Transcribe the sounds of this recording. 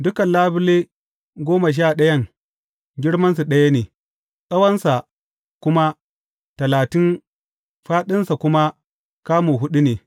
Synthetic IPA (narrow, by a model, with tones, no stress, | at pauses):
dʊ˦kɐ˨nlaː˦bɪ˦le˦ | ɡʷoː˦ma˨ʃ̬aː˦˨ɗɐ˦jɐ˦ŋ | ɡʲɪ˦ɽmɐ˦ns̬u˨ɗɐ˦ja˦neː˨ | sʼɐ˦wɐ˦nsa˨ | kʷʊ˦ma˦ | tɐ˨laː˨tɪ˦n | ɸaː˦ɗɪ˦nsa˨kʷʊ˦ma˦ | kaː˦moː˨ɦʊ˦ɗi˦neː˨